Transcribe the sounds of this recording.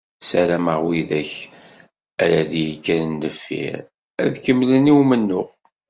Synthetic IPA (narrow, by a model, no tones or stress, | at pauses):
sæɾæməʁwiðæç | æɾæðijikːænənːəfːḭɾ | æðkəmːləniwmənːʊʁ